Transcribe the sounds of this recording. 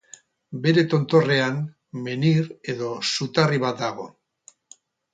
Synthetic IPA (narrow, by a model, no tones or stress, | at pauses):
be̞ɾe̞t̪o̞nt̪o̞re̞an | me̞niɾe̞ðo̞sut̪ariβ̞at̪̚d̪aɣ̞o̞̰